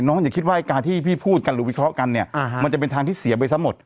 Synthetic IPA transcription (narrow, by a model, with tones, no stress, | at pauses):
nɔː˦˥ŋja˨˩kʰi˦˥waː˥˩ʔa˦˩jkaː˧nt̪ʰiː˥˩pʰiː˥˩pʰuː˥˩t̪̚ka˧nɾɯː˨˦wi˦˥kʰɾɔ˦˥ka˧nːi˥˩ɐma˧nt͡ɕa˨˩pe˧nt̪ʰaː˧ŋt̪ʰiː˥˩si˨˩˦ɐp̬a˧jsa˦˥mo˨˩t̪̚